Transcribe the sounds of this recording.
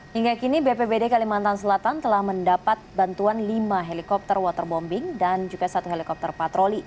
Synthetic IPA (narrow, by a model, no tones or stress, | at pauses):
hiŋɡakinibepebedekalimant̪ansəlat̪ant̪əlahməndapat̪̚bant̪uanlimaɦelikɔp̚t̪ərwat̪ərbɔmbɪŋdand͡ʒuɡasat̪uɦelikɔp̚t̪ərpat̪ɾoli